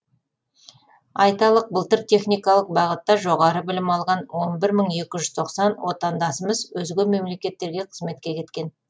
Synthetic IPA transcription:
ɑjt̪ɑlˠəq̚bəlˠt̪əɾt̪ʲʰe̞χnijkɑlˠəq̚bɑʁət̪ːɑʒo̞ʁɑɾəbɪlɪmɑlˠʁɑnwo̞nbɪɾməɴe̞kʲɪʒʏzt̪ʰo̞qsɑnwo̞t̪ɑnd̪ɑsəməzwɵzɡʲeme̞mle̞kʲe̞t̪ːe̞ɾɡʲe̞qʰəzme̞t̪̚kʲe̞kʲʰe̞t̪kʲe̞n

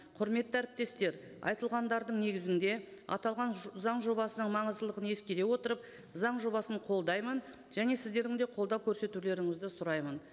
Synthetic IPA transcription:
qʰʊɾme̞t̪ːɪæɾɪp̚t̪e̞st̪e̞ɾ | ɑ̰jt̪əlˠʁɑnd̪ɑɾd̪əɴne̞ɡʲɪzɪnd̪e̞ɑ̰t̪ɑlˠʁɑnzɑɴʒo̞bɑsənəɴmɑɴəzd̪əlˠəʁəne̞skʲeɾe̞wo̞t̪əɾəp̚ | zɑɴʒo̞bɑsəɴqʰo̞lˠd̪ɑjmən | ʒæne̞sɪzd̪e̞ɾɪŋd̪e̞qʰo̞lˠd̪ɑwkʲʰɵɾse̞t̪ule̞ɾɪŋɪzd̪ɪsʊɾɑjmən

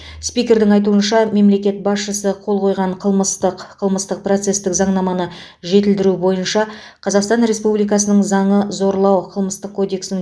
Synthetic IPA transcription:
spijkʲe̞ɾd̪ɪŋɑjt̪uənʃɑme̞mle̞kʲe̞t̪̚bɑsʃəsəqʰo̞lˠqʰo̞jʁɑɴqʰəlˠməst̪əqqʰəlˠməst̪əq̚pro̞t̪se̞st̪ɪkzɑɴnɑmɑnə | ʒe̞t̪ɪld̪ɪɾubo̞jənʃɑ | qʰɑzɑqst̪ɑnɾe̞spublijkɑsənəɴzɑɴəzo̞ɾlˠɑwqʰəlˠməst̪əqʰːo̞d̪e̞ksnɪŋ

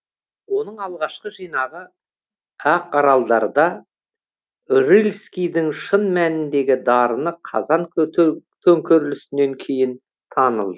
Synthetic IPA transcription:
wo̞nəɴɑlˠʁɑʃqəʒijnɑʁə | æqɑɾɑlˠd̪ɑɾəd̪ɑ | rilʲskʲijd̪ɪŋʃənmænɪnd̪e̞ɡʲɪd̪ɑɾənəqʰɑ̰zɑn | t̪ʰɵŋkʲøɾlɪsɪnːe̞ŋkʲʰe̞jɪn | t̪ʰɑnə̰lˠd̪ə

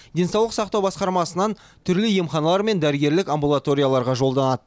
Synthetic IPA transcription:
d̪ʲe̞nsɑwlˠəqsɑq̚t̪ɑwbɑsqɑɾmɑsənɑn | t̪ʰʏɾlɪje̞mχɑnɑlˠɑɾme̞nd̪æɾəɡʲe̞ɾlɪkambulˠat̪o̞ɾʲijalˠɑɾʁɑʒo̞lˠd̪ɑnɑd̪ə

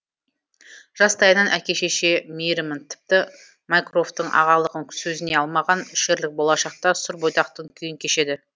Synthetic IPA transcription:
ʒ̥ɑst̪ɑjənɑnʔækʲe̞ʃe̞ʃe̞mejɾɪmənt̪ʰɪ̥p̚t̪ɪ | majkro̞ft̪əɴʔɑ̰ʁɑlˠəʁəŋʲʰsɵzɪne̞ɑlˠmɑʁɑnʏʃe̞ɾlɪk̚bo̞lˠɑʃɑq̚t̪ɑsʊɾbojt̪ɑq̚t̪əŋkʲʰʏjɪŋkʲʰe̞ʃe̞d̪ɪ

